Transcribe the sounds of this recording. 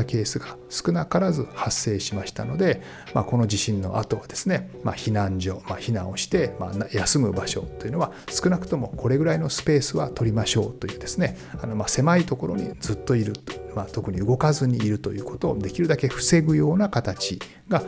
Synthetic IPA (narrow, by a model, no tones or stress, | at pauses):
ke̞ːsɨɡasɨ̥kɯ̟nakaɾazɨhasːe̞ːɕimaɕi̥t̪ano̞d̪e̞ | ma̰ko̞no̞d͡ʑiɕĩnːo̞̰ʔat̪o̞βad̪e̞sɨne̞ma̰çinãɲd͡ʑo̞maçinão̞ɕi̥t̪e̞ma̰najasɨmɯ̟baɕo̞̰t̪ːo̞jiɯ̟noβa | sɨ̥kɯ̟nakɯ̟̥t̪o̞mo̞kʰo̞ɾe̞ɡɯ̟ɾaino̞sɨ̥pe̞ːsɨβat̪o̞ɾʲimaɕo̞ːt̪o̞jɯ̟ːd̪e̞sɨne̞ | ano̞mase̞mait̪o̞ko̞ɾo̞̰ɲ̟ḭd͡zɨt̪ːo̞iɾɯ̟mat̪o̞kɯ̟ɲ̟iɯ̟ɡo̞kazɨɲ̟iːɾɯ̟t̪o̞jɯ̟ːko̞t̪o̞ːd̪e̞kʲiɾɯ̟d̪ake̞ɸɯ̟̥se̞ɡɯ̟jo̞ːnakat̪at͡ɕi | ɡa